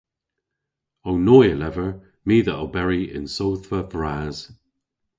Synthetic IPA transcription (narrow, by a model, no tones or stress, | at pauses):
ownɔːjəlɛvəɹ | miːðəʔəwbɛɹiɪ̰̃nsowθvəðɹaːz̥